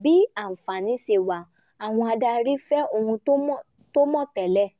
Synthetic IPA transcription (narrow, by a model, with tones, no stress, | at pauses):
bi˨˦a˦˨fa˨nĩ˧˦se˨wa˨ | a˨w̃ɔ̃˧a˧da˧ɾi˦fɛ˦o˨hũ˧o˦mɔ˦ | to˦mɔ̃˦˨tɛ˨lɛ˦˨